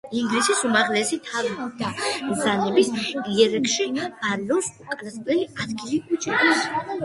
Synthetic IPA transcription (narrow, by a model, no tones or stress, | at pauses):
iŋɡlisisumaʁlɛsit̪ʰavid̪̥azanɛbisiɛɾɛkʰʃimaɾlɔsukʼalaspʼlɛliad̪ɡilikʼut͡ʃʰd̪is